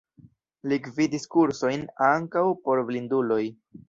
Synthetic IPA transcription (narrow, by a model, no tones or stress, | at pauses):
likvidiskuɾso̞jnaŋkawpo̞ɾvlindulo̞j